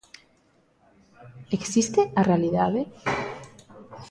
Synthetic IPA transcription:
eksist̪earealiðaðe

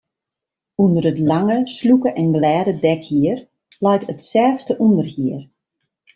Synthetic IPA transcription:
undəɾətlaŋəslukəʔɛnɡlɛːdədɛkhiər | lɛjtətsɛrftəʔundərhiər

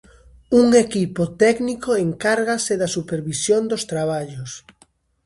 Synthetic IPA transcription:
uŋekipot̪ɛknikoeŋkaɾɣasɪðɐsupeɾβisjond̪ost̪ɾaβ̞aʎos

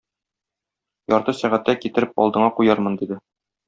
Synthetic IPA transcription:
jɒɾt̪ɤsæʁæt̪ːækit̪ɘ̆ɾɘpɒ̰lˠd̪ɤ̆ɴɑqujɑɾmɤ̆nd̪id̪ɘ

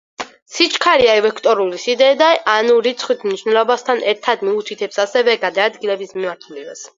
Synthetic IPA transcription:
sit͡ʃʰʼkʰaɾiaɛvɛkʰt̪ʼɔɾulisid̪ɛːd̪aanuɾit̪sʰχwit̪ʰmniʃwnɛlˠɔbast̪ʰanʔɛɾt̪ʰad̪miut̪ʰit̪ʰɛpsasɛvɛɡad̪aːd̪ɡilɛbismimaɾt̪ʰulibas

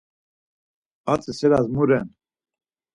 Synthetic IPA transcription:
at͡sʼɛsɛɾazmuɾɛn

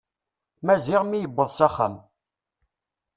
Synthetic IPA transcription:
mæziʁmijəbːəðˤsæχːa̰m

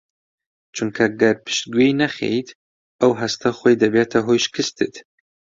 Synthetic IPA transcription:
t͡ʃʰuŋkʰɐɡɐpʰɨ̥ʃt̪̚ɡʷejnɐxḛjt̪ | ɐwɦɐst̪ʰɐxoːjd̪ɐbet̪ʰɐɦojʃkɨst̪ɨt̪

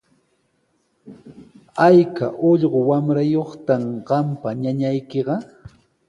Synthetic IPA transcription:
ajka̰ʔoʎɢowamɾajoχt̪amɢɑmpaɲaɲajkeɢɑ

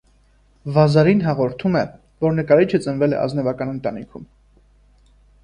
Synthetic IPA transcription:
vɑzɑɾinɦɑʁɔɾt̪ʰumɛ | vɔɾnəkɑɾit͡ʃʰət͡sənvɛlɛ̰ʔɑ̰znɛvɑkɑnənt̪ɑnḭkʰum

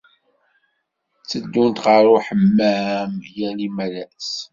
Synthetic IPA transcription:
t͡sːəd̪ːʊnt̪ʁəɾˤʊħəmːæmjælimælæs

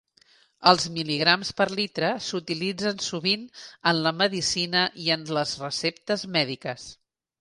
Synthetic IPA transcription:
əlˠzmiliɣ̞ɾamspəɾlit̪ɾəsut̪ilid͡zənsuβinənləməðisinəʔiənləzrəsept̪əzmɛðikəs

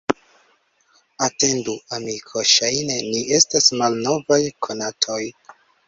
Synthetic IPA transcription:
ate̞nduamikʰo̞ʃajne̞niʔe̞stasmalno̞vajkʰo̞natʰo̞j

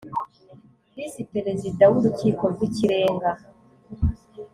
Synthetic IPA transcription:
hisipe̞ɾe̞zidawuɾuciːko̞ɾɡwiciɾe̞ːŋɡa

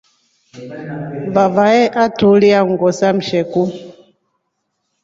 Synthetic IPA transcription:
vavaɛʔatuliaŋɡɔsam̩ʃɛku

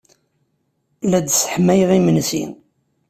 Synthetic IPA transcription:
læd̪sə̥ħmæjʁimənsḭn

